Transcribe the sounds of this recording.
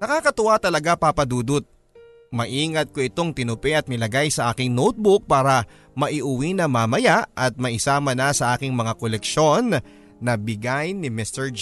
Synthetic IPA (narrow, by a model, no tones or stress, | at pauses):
nɐkaːkɐt̪ʊʔat̪ɐlɐɡapapɐd̪uːd̪ʊt̪̚ | mɐʔiːŋɐt̪̚ko̞ʔɪt̪o̞ŋt̪ɪnʊpɛʔɐt̪̚nɪlɐɡajsɐʔaːkɪŋnowt̪̚bʊk̚paːɾɐ | mɐʔɪʔʊwinɐŋmɐmɐjaʔʔɐt̪̚mɐʔɪsaːmɐnɐsɐʔaːkɪŋmɐŋakolɛkʃo̞nː | ɐbɪɡajnɪmɪst̪ɛɹd͡ʒ